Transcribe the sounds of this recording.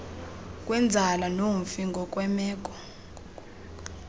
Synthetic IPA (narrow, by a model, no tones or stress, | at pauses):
kʼwɛnd͡zʱalanoɱ̩fiŋɡʱɔkʼwɛmɛːk̬ʼɔ̥